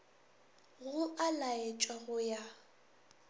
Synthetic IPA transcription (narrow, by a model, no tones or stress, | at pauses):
ɣʊʔalaet͡ʃʼwaɣʊja